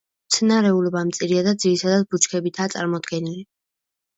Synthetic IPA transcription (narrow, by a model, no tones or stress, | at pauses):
mt̪sʰnaɾɛulɔbamt̪sʼiɾiad̪ad̪zilisʰad̪at̪̚but͡ʃʰkʰɛbit̪ʰaːt̪sʼa̰ɾmɔd̪ɡɛnili